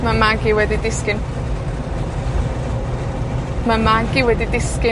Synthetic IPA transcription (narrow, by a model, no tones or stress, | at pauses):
mamaɡiwɛdidɪskɪn | mamaɡiwɛdidɪskɪ